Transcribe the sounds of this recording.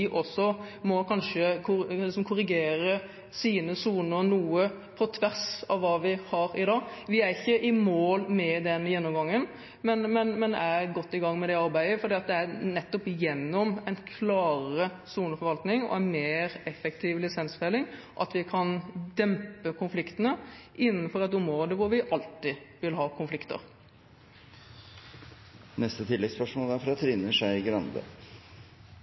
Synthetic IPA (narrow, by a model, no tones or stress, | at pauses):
ɪʔɔsːɔmɔkʰɑnʂəkʰʊlɪsɔmkʰʊɾɪɡeːɾə | siːnəsuːnəɾnuːə | pʰɔt̪ʰʋæɾsɑʋːɑːʋɪhɑɾɪd̪ɑːʋɪæɾɪçːəʔɪmoːlmɛd̪ɛnjɛnːɔmɡɑŋːən | mɛnmɛnmɛnæɾɡɔt̪ːɪɡɑŋːmɛd̪ɛɑɾbæɪəfɔɾd̪iːɑt̪̚d̪ɛænɛt̪ːɔpjɛnːɔmɛɪnkʰlɑːɾə | suːnəfɔɾʋɑlt̪nɪŋɔ̰ɛnmeːɾɛfːɛkt̪ʰiːʋlɪsɛnsfɛlɪŋ | ʔɑ̰t̪ʋɪkʰɑnd̪ɛmpəkʰʊnflɪkt̪ənəʔɪnːənfɔɾɛt̪ʊmɾoːd̪əʋʊɾʋɪʔɑlt̪ɪʋɪlɦɑːkʰʊnflɪkt̪ə̰ɾ | nɛst̪ət̪ʰɪlːɛɡspœʂmoːləæɾfɾɑt̪ʰɾɪnəʂæɪɡɾɑnd̪ə̰